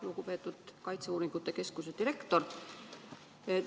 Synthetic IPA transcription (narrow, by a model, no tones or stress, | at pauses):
luɡ̥upe̞ːt̪ːˑud̪̥kɑjt̪seuːɾiŋɡ̥ut̪ːˑe̞ke̞skused̪iɾe̞kt̪o̞r | e